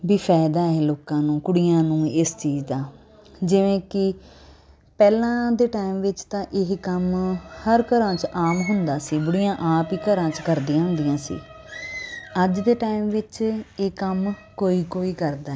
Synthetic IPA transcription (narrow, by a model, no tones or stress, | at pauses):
biːfʰɛːɪd̪aːɛːloːkãːnũːkʊɽijãːnũːɪst͡ʃiːd͡ʒd̪aː | d͡ʒɪʋẽːkɪ | pɛːlãːd̪eːʈaːimʋɪt͡ʃt̪ãːʔɪɦkəmhəɾkəɾãːt͡ʃʔaːmɦʊnd̪aːsiːbəɽijãːʔaːpiːkəɾãːt͡ʃkəɾd̪ijãːɦʊ̃nd̪ijãːsḭː | əd͡ʒd̪eːʈaːimʋɪt͡ʃeːkəmkoːiːkoːiːkəɾd̪aːɛː